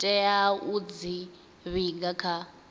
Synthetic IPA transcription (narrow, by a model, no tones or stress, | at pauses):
tʼɛjaud͡zi | βiŋɡakʰa